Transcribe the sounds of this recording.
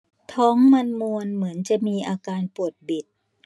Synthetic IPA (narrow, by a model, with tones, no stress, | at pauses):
t̪ʰɔː˦˥ŋma˧nmu˧ənmɯ˩˦ənt͡ɕa˨˩ʔmiː˧ʔaː˧kaː˧npu˨˩ət̪̚bi˨˩t̪̚